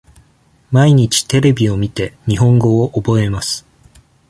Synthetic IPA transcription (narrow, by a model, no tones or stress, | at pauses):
maiɲ̟it͡ɕi̥t̪e̞ɾe̞bʲio̞mʲit̪e̞ɲ̟iɦõ̞ŋɡo̞ːʔobo̞e̞masɨ̥